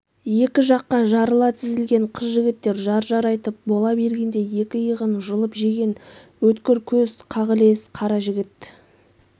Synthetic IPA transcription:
je̞kʲɪʒɑqːɑʒɑɾəlˠɑt̪ʰɪzɪlɡʲe̞ɴqʰəzʒɪɡʲɪt̪ːe̞ɾʒɑɾʒɑɾɑjt̪əp̚bo̞lˠɑbe̞ɾɡʲe̞nd̪e̞je̞kʲɪjəʁənʒəlˠəpʒeɡʲe̞n | wɵt̪kʲɪɾkʲʰɵzqʰɑʁəle̞sqʰɑɾɑʒɪɡʲɪt̪

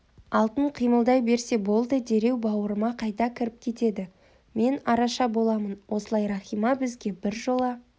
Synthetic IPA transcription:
ɑlˠt̪əɴqʰijməlˠd̪ɑjbe̞ɾse̞bo̞lˠd̪əd̪e̞ɾe̞wbɑwəɾəmɑqʰɑjt̪ɑkʲʰɪɾɪp̚kʲʰe̞t̪e̞d̪ɪ | me̞nɑɾɑʃɑbo̞lˠɑmənwo̞səlˠɑjɾɑχijmɑbɪzɡʲe̞bɪɾʒo̞lˠɑ

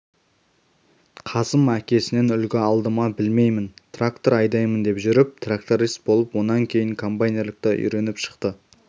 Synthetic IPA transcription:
qʰɑsəmækʲe̞sɪne̞nʏlkʲɪɑlˠd̪əmɑbɪlme̞jmɪnt̪rakt̪o̞ɾɑjd̪ɑjmənd̪e̞pʒʏɾɪp̚t̪ʰrakt̪oɾist̪̚bo̞lˠəpwo̞nɑŋkʲʰe̞jɪŋkʰo̞mpajnerlɪkt̪ɪʔʏ̰jɾe̞nɪpʃə̥qt̪ə

